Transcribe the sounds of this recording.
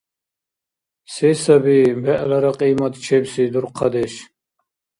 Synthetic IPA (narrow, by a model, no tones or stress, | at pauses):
sɛːsabibɛʔlaɾaqʼiːmat̪t͡ʃʰɛbsid̪uɾqʰad̪ɛʃ